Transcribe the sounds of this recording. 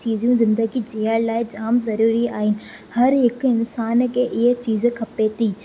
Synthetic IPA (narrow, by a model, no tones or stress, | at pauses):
t͡ɕiːzijũzɪ̃nd̪əɡid͡ʑeːəɽlaːɪd͡ʑaːmzɐɾuːɾiaːɦɪnɪ̆ | hɐɾɦɪkɪnsaːnkʰeːʔɪɦet͡ɕiːzkʰɐpet̪iː